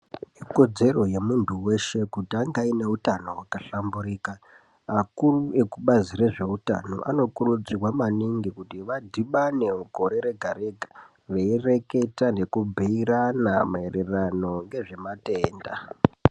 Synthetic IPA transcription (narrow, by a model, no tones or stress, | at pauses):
iko̞d͡ze̞ro̞je̞muntʰuwe̞ʃe̞kutiaŋɡaineutano̞wakaɬambuɾiːkaː | kurue̞kuɓazire̞ʐe̞uta̰no̞̰ʔa̰no̞kurud͡zirwamaniŋɡikutiʋadʱiɓaneuko̞ɾe̞ɾe̞ɡʱaɾe̞ɡʱḁ | ʋeire̞ke̞tane̞kubʱiiɾanamaererano̞ŋɡe̞ʐe̞mate̞ːnda